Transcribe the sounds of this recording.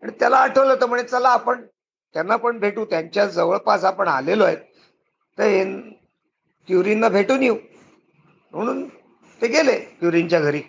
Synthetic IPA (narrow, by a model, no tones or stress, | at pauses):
aɽ̃it̪jalaːʈʰəʋlət̪əm̤əɳet͡səlaːpəɳ | t̪janːapəɳbʱeʈuːt̪jaɲt͡ɕjad͡zəʋəɭpasapəɳaleloet̪̚ː | əɾɦen | kjuɾinːabʱeʈuːniu | m̤əɽ̃uːn | t̪eɡelekjuɾiɲt͡ɕjaɡʱəɾiː